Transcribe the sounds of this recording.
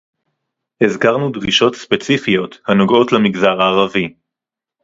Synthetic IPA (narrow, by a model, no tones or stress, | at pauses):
ezkaʁnudʁiʃo̞tspet͡sifijo̞t̪hano̞ɡo̞tlamiɡzaʁaːʁavi